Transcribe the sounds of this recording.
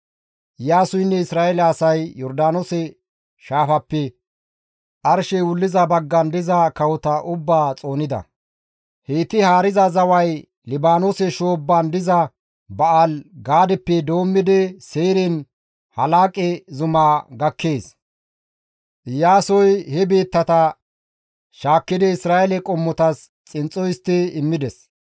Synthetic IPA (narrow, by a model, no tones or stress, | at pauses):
ʔɪjaːsʊjnːɛɪsɾaːɛlɐːsɐjjɔɾd̪aːnɔsɛ | ʃaːfɐpːɛ | ʔɐɾʃɛwʊlːɪzɐbɐɡːɐnd̪ɪzɐkɐwɔt̪ɐʔʊbːaːt͡sʼo̞ːnɪd̪ɐ̰ | heːt̪ɪhaːɾɪzɐzɐwɐj | lɪbaːnɔsɛʃo̞ːbːɐnd̪ɪzɐ | bɐʔalɡaːd̪ɛpːɛd̪o̞ːmːɪd̪ɛseːɾɪn | hɐlaːkʼɛzʊmaːɡɐkːeːs | ʔɪjːaːsɔjhɛbe̞ːt̪ːɐt̪ɐ | ʃaːkːɪd̪ɛɪsɾaːɛlɛkʼɔmːɔt̪ɐs | t͡sʼɪnt͡sʼːɔjɪst̪ːɪɪmːɪd̪ɛs